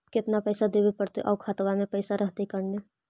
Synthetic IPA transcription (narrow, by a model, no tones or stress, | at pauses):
kɪt̪napɛːsad̪eːʋepɐɽt̪eʔɔːkʰaːt̪ʋamẽpəːsaɾɐɦt̪ekɐɽne